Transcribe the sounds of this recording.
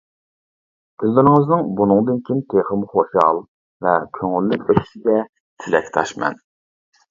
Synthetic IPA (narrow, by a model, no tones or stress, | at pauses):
bʲʰyld̪yɾɪŋɨznɨŋbunɨŋd̪ɨnkʲʰint̪ʰeχəmχoʃɑ̰lˠ | vɛkʲʰøŋylːɪkʲøssɪɡʲɛ | t̪ʰylɛ̰kʲʰt̪ʰɑ̰ʃmɛ̰n